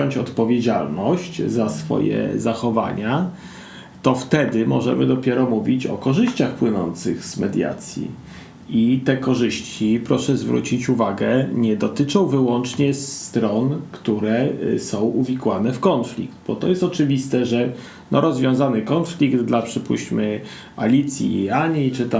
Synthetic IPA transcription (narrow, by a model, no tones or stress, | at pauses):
ɔɲt͡ɕɔt̪pɔvʲjed͡ʑa̰lnɔɕt͡ɕzasfɔ̰jɛ̰zaxɔva̰ɲa | t̪ɔft̪ɛd̪ɘmɔʐɛ̰mɘd̪ɔpʲjɛɾɔmuvʲit͡ɕɔ̰kɔʐɘɕt͡ɕaxpwɘnɔ̰nt̪sɘ̰ɣz̥mɛd̪ʲja̰t̪sʲjḭ | it̪ɛkɔʐɘɕt͡ɕipɾɔʂɛzvɾṵt͡ɕit͡ɕuvaɡɛɲɛd̪ɔt̪ɘt͡ʂɔ̃w̃vɘwɔnt͡ʂɲɛst̪ɾɔnkt̪uɾɛsɔ̃w̃ʔuvʲikwanɛfkɔntflʲḭkt̪bɔt̪ɔjɛst̪ɔt͡ʂɘvʲist̪ɛʐɛ | nɔɾɔzvʲjɔ̃w̃zanɘkɔnflʲikd̪d̪lapʂɘpṵɕmɘ | a̰lʲit̪sʲjḭːaɲit͡ʂɘt̪a